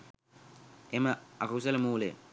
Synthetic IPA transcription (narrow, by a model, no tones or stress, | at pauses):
ɛmaakausɛlemuːlɛ̰